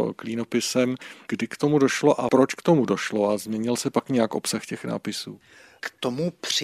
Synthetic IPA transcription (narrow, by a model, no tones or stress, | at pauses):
kliːno̞pɪsɛmɡ̥dɪkt̪o̞mudo̞ʃlo̞ʔapɾot͡ʃkt̪o̞mudo̞ʃloazmɲɛɲɪlsɛpakɲɛjakʔo̞psaxcɛxna̰ːpɪsṵː | kt̪omupr̥ɪ